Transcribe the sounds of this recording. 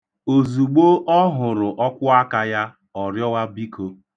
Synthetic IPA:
o˨zu˨ɡ͡bo˦ʔɔ˦ɦʊ˨ɾʊ˨ʔɔ˦kʷʊ˦a˦ka˨ja˦ | ɔ˨ɾjɔ˦wa˦bi˦kʰo˨

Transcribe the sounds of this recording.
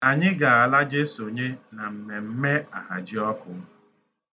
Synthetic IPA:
a˨ɲɪ˦ɡa˨a˨la˦d͡ʒe˦so˨ɲe˦na˨m̩˨me˨m̩˦me˦a˨ɦa̰˨d͡ʒɪ˦ɔ˦kʊ˨m̩˦

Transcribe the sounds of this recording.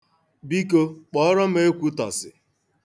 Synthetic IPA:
bi˦ko˦k͡pɔ˦ɔ˦ɾɔ˦m̩˦e˦kʷu˦tɔ̰˨sɪ̰˨

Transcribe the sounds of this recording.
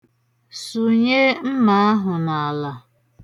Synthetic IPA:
su˨ɲe˦m̩˦ma˦a˦ɦʊ˨na˨la˨

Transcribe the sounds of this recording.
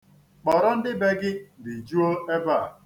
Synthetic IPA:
k͡pɔ˨ɾɔ˦n̩˦dɪ˦be˦ɡɪ˦dɪ˨d͡ʒu˦o˦e˦ba˦˨

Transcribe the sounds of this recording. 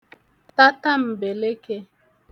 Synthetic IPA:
ta˦ta˦m̩˨be˨le˦ke˦

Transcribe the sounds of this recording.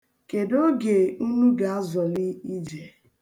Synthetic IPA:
ke˨do˦ɡe˨u˦nu˦ɡa˨a˦zɔ˨li˦i˦d͡ʒe˨

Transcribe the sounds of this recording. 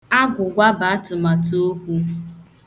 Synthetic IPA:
a˦ɡʷʊ˨ɡʷa˦ba˨a˦tʊ˨ma˨to˦kʷu˦

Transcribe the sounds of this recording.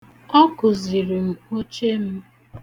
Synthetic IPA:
ɔ˦kʊ˨zi˨ɾi˨m̩˨o˦t͡ʃe˦m̩˦

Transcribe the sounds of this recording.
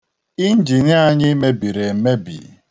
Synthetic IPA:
i˦n̩˦d͡ʒi˨n˦a˦ɲɪ˦me˦bi˨ɾe˨m̩˨˦me˦bḭ˨

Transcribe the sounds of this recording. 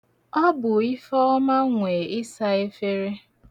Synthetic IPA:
ɔ˦bʊ˨i˦fɔ˦ɔ˦ma˦ŋʷe˨ɪ˦sa˦e˦fe˦ɾe˦

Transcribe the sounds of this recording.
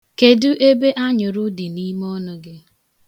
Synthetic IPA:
ke˨dʊ˦ʔe˦be˦ʔa˦ɲʊ˨ɾʊ˦di˨ni˦m˦ɔ˦nʊ˦ɡɪ˦

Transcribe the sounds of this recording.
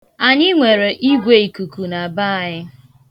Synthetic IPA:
a˨ɲɪ˦ŋʷe˨ɾe˨ʔi˦ɡʷe˦i˨ku˨ku˨na˨ba˦˨ɲɪ˦

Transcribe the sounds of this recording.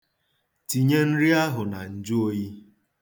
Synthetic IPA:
ti˨ɲe˦n̩˦ɾi˦a˦ɦʊ˨na˨n̩˨d͡ʒʊ˦o˦ji˦

